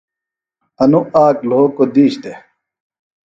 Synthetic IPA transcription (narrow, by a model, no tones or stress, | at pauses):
ɐnuʔaːkloːkod̪iːɕt̪e